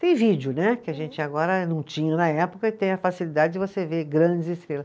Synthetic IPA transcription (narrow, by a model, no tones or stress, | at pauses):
t̪ẽj̃vid͡ʒɪʊnɛkɪaʒẽnt͡ʃɪaɡɔɾɐnɐ̃w̃t͡ʃĩɲɐnɐɛpo̥kɐɪt̪ẽj̃ɐfasilid̪ad͡ʒɪd͡ʒɪvoseveɾɡɾɐ̃d͡ʒɪzɪst̪ɾelɐs